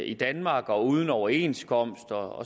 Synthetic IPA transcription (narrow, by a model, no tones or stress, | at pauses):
id̥ænmɑ̈ːɡ̥ɒ̽uːð̞ˠən̩ɒʊɐe̝̰nskʰɒ̽m̰sd̥ɒ̽